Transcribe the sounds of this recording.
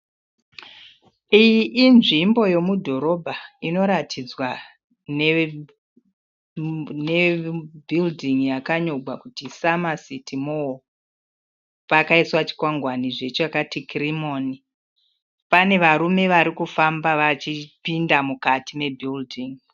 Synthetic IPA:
ijiʔːnʐimbo̞je̞mudʱo̞ɾo̞bʱaino̞ɾatʰid͡zwa | ne | ne̞bʱildʱiŋjakaɲo̞ɡʱwakutisamasitimoo | pakaiswat͡ʃi̥kwaŋɡwaniʐe̞t͡ʃoakatikrimo̞ːni | pane̞ʋaɾume̞ʋaɾikufambaʋat͡ʃipindamukatime̞bʱildʱiŋ

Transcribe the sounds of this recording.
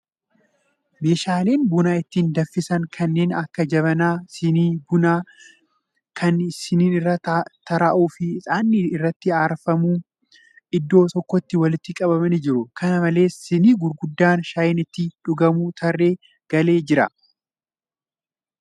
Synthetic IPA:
me̞ːʃaːle̞ːnbʊnaːɪt̪ːiːnd̪ɐfːɪsɐŋkʰɐnːeːnɐkːɐd͡ʒɐβɐnaːsɪniːbʊnaː | kʰɐnsɪniːnɪrːɐt̪t̪ɐɾaʔuːfɪːsʼaːnːɪɪrːɐt̪ːɪaːɾfɐmuː | ʔɪd̪ːo̞ːt̪ɔkːɔt̪ːɪwɐlɪt̪ːɪkʼɐbɐmɐnɪd͡ʒɪɾʊkʰɐnɐmɐle̞ːsɪniːɡʊɾɡʊd̪ːaːnʃajɪnɪt̪ːɪᶑʊɡɐmuːt̪ʰɐrːe̞ː | ɡ̥ɐle̞ːd͡ʒɪɾɐ̰

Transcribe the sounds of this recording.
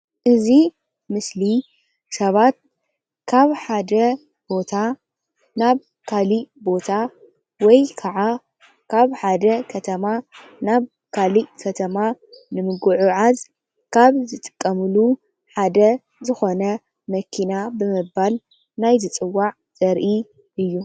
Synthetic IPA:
ʔɨzi | mɨsli | sɐβat̪̚ | kʰaβħad̪ɐ | b̥o̞t̪ʰa | naβ | kʰalibo̞t̪ʰa | wɔjkʰaʕa | kʰaβħad̪ɐkʰɐt̪ʰɐma | naβ | kʰalikʰɐt̪ʰɐma | nɨmɨɡuʕuʕaz | kʰaβzɨt̪ʼɨ̥kʼːɐmɨlu | ħad̪ɐ | zɨxo̞nɐ | mɐkʰinabɨmɨbːal | najzɨt͡sʼɨwːaʕ | zʼɐɾʔi | ʔɨjːu

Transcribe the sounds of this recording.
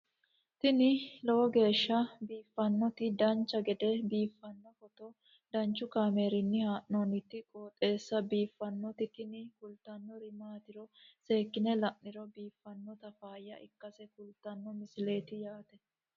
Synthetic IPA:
t̪ɪnɪlɔwɔɡe̞ːʃːɐbiːfːɐnːɔt̪ɪd̪ɐnt͡ʃːɐɡɛd̪ɛbiːfːɐnːɔfɔt̪ɔ | d̪̥ɐnt͡ʃːʊkaːmeːɾɪnːɪhaːʔnɔːnɪt̪ːɪkʼoːt̪ʼe̞ːsːɐbiːfːɐnːɔt̪ɪt̪ɪnɪkʊlt̪ːɐnːɔɾɪmaːt̪ɪɾɔse̞ːkːɪnɛlɐʔnɪɾɔbiːfːɐnːɔt̪ɐfaːjːɐ̰ʔɪkːɐsɛkʊlt̪ːɐnːɔmɪsɪle̞ːt̪ɪjaːt̪ɛ

